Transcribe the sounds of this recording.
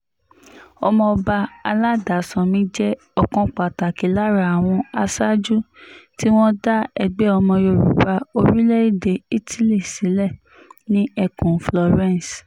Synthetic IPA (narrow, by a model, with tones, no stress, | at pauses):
ɔ˧mɔ̃˧ɔ˧ba˧a˧la˦da˨sã˨mĩ˨˦d͡ʒɛ˦ | ɔ˦˨kɔ̃˦k͡pa˨ta˨ki˨˦la˦ɾa˦˨a˨w̃ɔ̃˧a˧sa˦d͡ʒu˦ti˦w̃ɔ̃˦da˦ɛ˧ɡ͡bɛ˦ɔ˧mɔ̃˧jo˧˨ɾṵ˨ba˧o˧ɾi˦lɛ˦i˦˨de˧i˦tʰi˦li˦˨si˨˦lɛ˦˨ | nĩ˦ɛ˧kũ˨flɔ˨ɾɛ̃˦˨n˨s